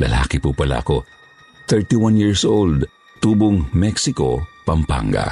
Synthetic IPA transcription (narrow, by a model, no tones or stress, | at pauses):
lɐ̰la̰ːkɪpupɐla̰ʔɐko̞ | θɛɹt̪iwanjiɹsʔold̪ | t̪uːboŋmɛksɪko̞̰pɐmpa̰ŋɡa̰